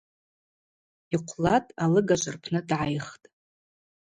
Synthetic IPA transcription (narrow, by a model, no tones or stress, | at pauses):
iqʷʰlatʼalɨɡaʒʷɨrpʰnɨdʕajχtʼ